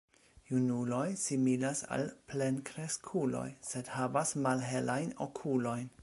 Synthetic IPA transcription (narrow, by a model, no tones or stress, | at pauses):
junulo̞jsimilasa̰lple̞nkʰɾe̞skʰulo̞̰jse̞dhavasmalɦe̞lʔajnokʰulo̞jn